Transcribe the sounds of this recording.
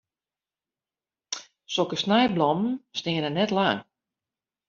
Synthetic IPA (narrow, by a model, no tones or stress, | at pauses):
sokəsnɛjblɔmn̩snɪənənɛtlaŋ